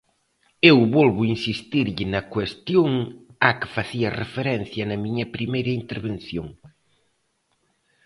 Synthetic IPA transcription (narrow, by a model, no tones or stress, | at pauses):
ewβɔlβʊinsist̪iɾʎɪnɐkwest̪joŋakɪ̥faθiɐrḛfeɾɛn̟θjɐnɐmiɲɐpɾimejɾɐint̪eɾβenθjoŋ